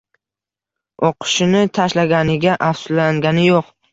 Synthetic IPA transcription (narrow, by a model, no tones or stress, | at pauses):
oqʰʊ̥ʃɪnɪt̪ʰaʃlaɡʲanɪɡʲaʔafsʊ̥aŋɡʲanɪjoq